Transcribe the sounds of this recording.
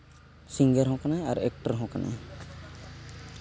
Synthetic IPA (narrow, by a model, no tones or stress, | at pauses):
siŋɡəɾɦɔ̃kanajaɾɛk̚ʈəɾɦɔ̃kana̰j